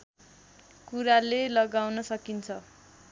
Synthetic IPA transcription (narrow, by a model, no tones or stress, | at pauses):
kuɾalelʌɡawnʌsʌkint͡sʰʌ